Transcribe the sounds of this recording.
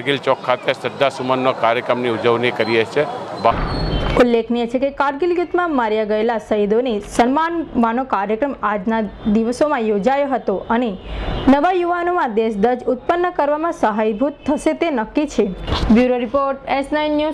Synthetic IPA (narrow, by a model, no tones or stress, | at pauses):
ɡilt͡ʃɔkʰːat̪esəd̪ːasumənːokaɾjəkɾəmniud͡ʒəʋnikəɾiet͡ʃʰebaulːekʰnijet͡ʃʰekekaɾɡɪlɡut̪mãmaɾjaɡəelasəjd̪onesənmanʋanokaɾjəkɾəmad͡ʒnad̪iʋsomãjod͡ʒajoɦət̪oʔənenəʋajuʋanomãd̪eʃd̪əɾd͡ʒʊt̪̚pənːəkəɾʋamãsəɦajbʱut̪ʰːəʃet̪enəkːit͡ʃʰebjuɾoɾipoɾʈesnainːju